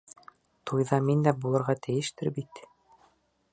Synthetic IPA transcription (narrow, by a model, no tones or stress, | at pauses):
t̪ʰujðɑmind̪æbulˠɤ̆ɾʁɑt̪ɘ̆jɘ̆ʃt̪ɘɾbit̪